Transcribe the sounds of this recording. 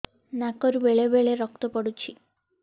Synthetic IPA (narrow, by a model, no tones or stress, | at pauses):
naːkoɾuʋeɭeʋeɭeɾɔkt̪upɐɽut͡ɕːi